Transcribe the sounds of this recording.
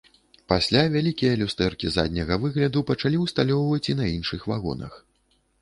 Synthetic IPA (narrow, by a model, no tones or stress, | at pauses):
pasʲlʲavʲalʲikʲijɐlʲust̪ɛrkʲiza̰d̪ʲnʲɐɣɐvɨɣlʲɐd̪upɐt͡ʂalʲiwst̪alʲɔwvɐt͡sʲinɐinʂɨxvaɣɔ̰nɐ̰x